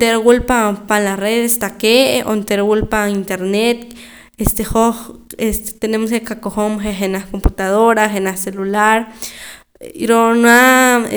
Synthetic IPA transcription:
t̪eɾɡulpapanlasreðest̪akeo̰nt̪eɾwulpaint̪eɾnet̪ | est̪exohest̪e̥t̪enemoskekakoxomxexenahkomput̪aðoɾaxenahselulaɾ | ɾonwa

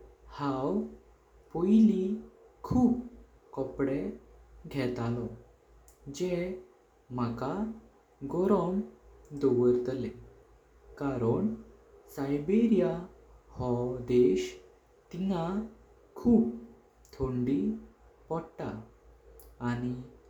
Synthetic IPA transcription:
haw | pojlikʰuːp | kɔpɽeɡʱɛt̪alɔ | d͡ʑe | m̤aka | ɡɔɾɔmd̪oʋəɾt̪əle | kaɾəɳ | sajbeɾija | hɔd̪eɕ | t̪ina | kʰuːp | t̪ʰoɳɖi | pɔɽʈaː | ñi

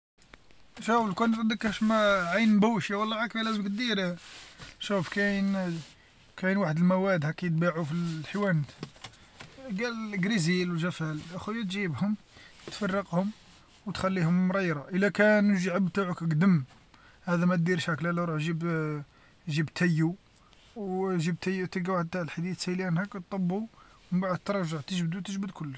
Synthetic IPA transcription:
ʃæwəlkunt̪ˤd̪əkæʃmæʕajnbuwʃiwɑlːɑʕakælæzəmkt̪̚d̪iɾ | ʃufkæn | kæjnwaħəd̪əlmæwæd̪hækːijt̪̚baʕufilħiwænt̪ | ɡælɡɾizilwʒæfælʔæxujæt̪ʒibhʊm | t̪fɑrˤːɑqhʊm | wt̪xælːihʊmːɾˤɑjɾˤɑʔəlːækænʒʕəbt̪aʕəkəɡd̪əm | hæd̪æmæt̪̚d̪iɾʃæklælæɾuħʒib | ʒibt̪ʰæjːu | wʒib̚t̪æjːut̪əɡæwaħəd̪̚t̪aʕəlħd̪id̪siliʔænhækt̪̚t̪ˤːɑbːu | məmbaʕəd̪t̪ːɾˤɑʒaʕt̪əʒbd̪ut̪əʒbəd̪kʰʊlːəʃ

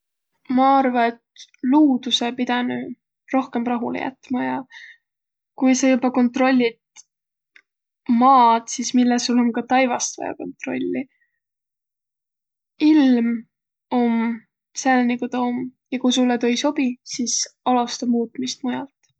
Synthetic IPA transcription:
mɑɑrvɑet̪luːd̪̥use̞pid̪ɑny | ro̞hke̞mrɑɦulḛjʔæ̰t̪ːmɑjɑ | kujsɑjubɑko̞nt̪ro̞lʲːid̪̥̚ | mɑːd̪sismilːesulomkɑt̪ɑjvɑst̪vɑ̰jɑ̰ko̞̰nt̪ro̞̰lʲːi | ilm | o̞m | sælnikut̪ɑomjɑkujsulːet̪ojso̞b̥isiːsɑlust̪ɑmuːt̪ˑmist̪̚mujɑlt̪

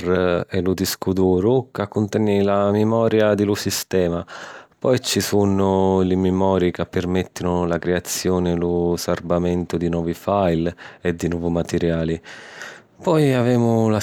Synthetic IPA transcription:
rɛlud̪iskud̪uːɾʊkakːʊnt̪ɛnːilamɪmɔːɾjad̪ɪlusist̪ɛːmapɔjt͡ʃisunʊlɪmɪmɔːɾikapːɪrmɛt̪ːinʊlakɾeat̪sːjɔːnɪlʊsarbamɛnt̪ʊd̪inwɔːvifajlɛd̪ːinwɔːvumat̪ɛɾjaːli | pɔjavɛːmʊla

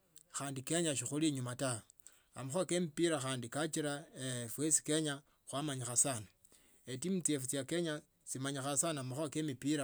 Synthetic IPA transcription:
xaːndikeɲaʃixuliɲumata | amaxwakemipiɾaxaːndikat͡ʃiɾaefwesi̥ke̞ɲa | xwamaɲixasana | etimit͡sie̞fut͡sijake̞ɲa | simaɲixasanamaxakemipiɾa

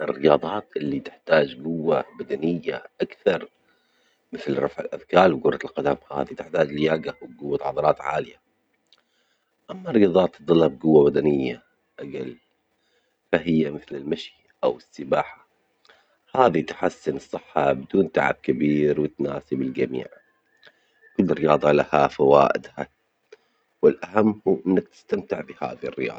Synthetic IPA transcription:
ʔɪrːɪjɑːðˤɑːt̪ʔɪlːit̪ɪħt̪aːd͡ʒɡʊwːabad̪anɪjːa̰ʔakθɑɾˤ | mɪθlɾˤɑfʕɪlʔa̰ðkɑːɾwɡʊɾˤːɑlqad̪amha̰ːðit̪ɪħt̪aːd͡ʒlɪjaːɡawɪɡʊwːat̪ʕɑd̪ˤɑɾˤɑːt̪ʕa̰ːlɪja | ʔamːarːɪjɑːðˤɑːt̪ːɨd̪ˤɑlːab̚ɡʊwːabad̪anɪjːa | ʔaɡa̰l | faɦɪjːamɪθlɪlmaʃi | ʔawɪsːɪbaːħḁ | haːðit̪ħasːɪnɨsˤːɨħːɑbɪd̪uːnt̪aʕa̰b̚kabiːɾwɪt̪naːsɪbɪld͡ʒamḭːʕ | kʊlːɾɪjɑːðˤɑlahafawa̰ːʔɪ̰d̪ha | wɪlʔaɦamːhuːʔɪnːak̚t̪ɪ̥st̪amt̪ɪʕbɪha̰ːðḭrːɪ̰jɑ̰ːˤ

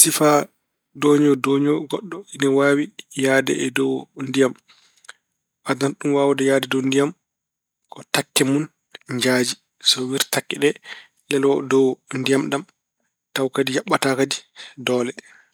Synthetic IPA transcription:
sifa | doɲɔdoːɲɔɡɔɗːɔinɛwaːwijaːdɛ̰ɛdɔwndijam | ʔadanɗumwawudɛjaːdɛdɔndijam | kɔtakːɛmun | ɲd͡ʒaːd͡ʒi | sɔwiɾtakːɛɗɛ | lɛlɔdɔwndijamɗam | tawkadijaɓːatakadidɔːlɛ

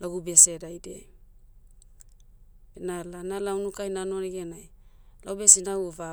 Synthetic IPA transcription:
laɡubesedajdḛ | enalanalawnukajnanoneɡenajlawbesinawova

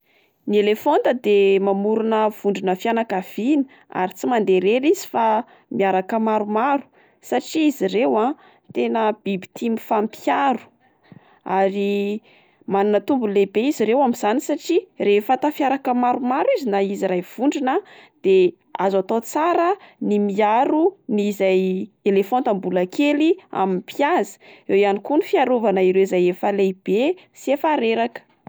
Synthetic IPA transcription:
nielefond̪əd̪emamuɾunəv̥uɳɖ͡ʐinəfjanakav̥ini̥ | a̰ɾit͡simand̪eɾeɾizi̥fa | miaɾakəmaɾumaɾu̥ | saʈ͡ʂiːzirewa | t̪enəb̥ibi̥t̪imifampiaɾu̥ | aɾi | manunət̪umbulebeiziɾewamiz̥anisaʈ͡ʂirefat̪afjaɾakəmaɾumaɾwizinaiziɾajv̥uɳɖ͡ʐinəd̪̥e | azat̪ot͡saɾənimiaɾunizajelefont̪ambulakelia̰minpjazi̥ewjanikunifjaɾuvanəiɾewizajefəleb̥e | siefaɾeɾakə̥

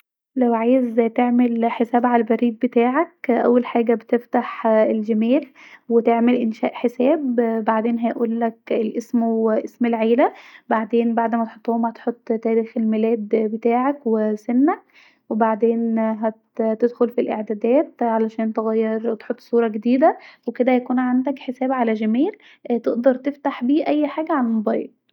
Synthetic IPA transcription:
læwʕaːjezt̪eʕmelħesæːbʕalæbæɾiːd̪̚bet̪aːʕæk̚ʔæ̰wːælħaːɡæbet̪eft̪aħelɡemiːlwet̪eʕmelʔenʃæːʔħesæːbbaʕd̪eːnɦæjʔuːlːækelʔesmweʔesmelʕeːlæbaʕd̪eːnbaʕd̪mæt̪eħot̪ˤːohomhæt̪ħot̪ˤːt̪æːɾiːxelmelæːd̪bet̪aːʕakwesenːæ | webaʕd̪eːnɦæt̪t̪ed̪xolfilʔḛʕd̪æːd̪æːt̪ʕalæʃæːnt̪eɣæjːɑɾt̪ħot̪ˤːsˤuːɾˤɑɡed̪iːd̪æweked̪æhjækuːnʕand̪ækħesæːbʕalæʒæmiːɾ | t̪eʔd̪ɑɾˤt̪eft̪aħbiːʔæjːħaːɡæʕalæmobɑjḛɾ

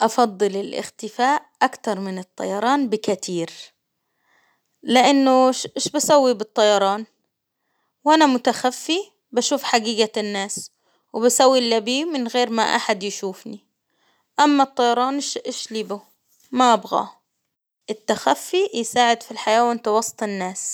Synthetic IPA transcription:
ʔɑfɑd̪ˤːɨlɪlʔɪ̰xt̪ɪfaːʔʔakt̪ɑɾˤmɪnɨt̪ˤːɑ̰jɑɾˤɑːnbɪkat̪ʰiːɾ | lɪʔanːʊʃʔɪʃbasawːibɨt̪ˤːɑjɑɾˤɑːn | wʔanamʊt̪axafːi | baʃuːfħaɡiːɡanːaːs | wɪbasawːilːabiːmɪnɣeːɾma̰ʔa̰ħad̪jɪʃuːfni | ʔamːat̪ˤːɑjɑɾˤɑːnʃʔeʃliːbʊ | maʔabɣa̰ | ʔɪt̪ːaxafːijsaːʕɪd̪filħajaːwaant̪awɑsˤt̪ˤɪnːaːs

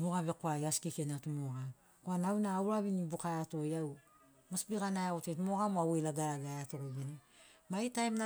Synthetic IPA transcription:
moɡaβe̞koajaskikenatumoɡa | koananaːwɾaβinibukaeatojaw | masbiɡanajotetumo̞ɡamoawejlaɡaɾaɡaeato̞ɡobene | maitajmna

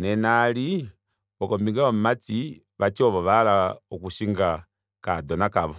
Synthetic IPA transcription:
nɛnali | ɔkɔmbiŋɡaɔm̩mat͡si | βat͡ʃɔβɔʋalaɔkuʃiŋɡa | kadɔnakaβɔ

